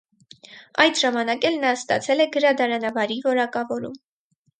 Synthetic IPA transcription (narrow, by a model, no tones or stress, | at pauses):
ɑjd̪ʒɑmɑnɑkɛlnɑst̪ɑ̰t͡sʰɛlɛɡəɾɑd̪ɑɾɑnɑvɑɾivɔɾɑkɑvɔɾṵm